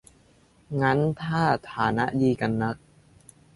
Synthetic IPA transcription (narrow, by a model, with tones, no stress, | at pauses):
ŋa˦˥nt̪ʰaː˥˩t̪ʰaː˩˦na˦˥ʔdiː˧ka˧nːa˦˥k̚